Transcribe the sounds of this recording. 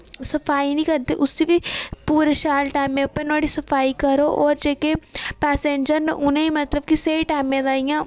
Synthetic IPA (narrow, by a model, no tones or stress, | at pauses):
sɐfʰaːinĩːkɐɾd̪eʔʊsibipuːɾeʃaːlʈaːɪmːẽɐpənəɽisɐfʰaːikɐɾoʔɔːɾd͡ʒeːkepɛːsẽːɲd͡ʒəɾneʔʊnẽimɐt̪ləb̚kiseiʈaːmẽd̪aːijã